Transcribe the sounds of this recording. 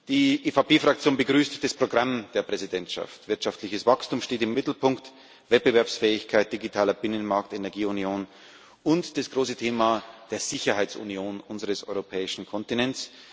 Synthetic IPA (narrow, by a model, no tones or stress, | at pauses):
d̥iːʔeːfapʰeːfʁ̥akt͡sjoːnbəɡʁyːstd̥aspʁ̥oɡʁamd̥eːɐpʁ̥ɛzidɛntʃa̰ftv̥ɪɐtʃaftlɪçəsv̥akstuːmʃteːtɪmːɪtl̩pʰʊŋkt | vɛt̚b̥əvɛɐpsfɛːɪçkʰaɪt̚d̥iɡitʰaːlɐbɪnənmaɐktenɛɐɡiːunjoːn | ʊntd̥asɡ̥ʁoːsətʰeːmad̥eːɐz̥ɪçɐhaɪt͡sṵnjoːnʔʊnzəʁəsʔɔ̰ʏʁopʰɛːɪʃn̩kʰɔntinɛns